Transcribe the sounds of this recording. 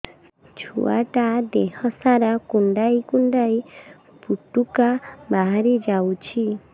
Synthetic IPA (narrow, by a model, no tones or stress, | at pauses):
t͡ʃʰṵa̰ʈad̪ehɔsaɾakuɳɖaikuɳɖai | puʈukabaɦaɾid͡ʒawt͡ʃʰi